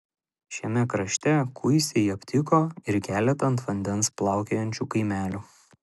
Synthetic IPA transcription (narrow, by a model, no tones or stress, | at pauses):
ʃʲɛmʲɛkɾɐʃʲt̪ʲɛkʰʊɪsʲɛɐpʲt̪ʲɪkoːɪɾkʲæːlʲɛt̪ɐnt̪ʋɐnʲd̪ʲɛnsplˠɑˑʊkʲejɛnʲt͡ʃʲuːkɐɪmʲæːlʲu